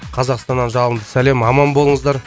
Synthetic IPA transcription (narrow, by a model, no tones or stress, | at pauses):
qʰɑzɑqst̪ɑnːɑnʒɑlˠəmd̪əsæle̞mɑmɑnbo̞lˠəɴəzd̪ɑɾ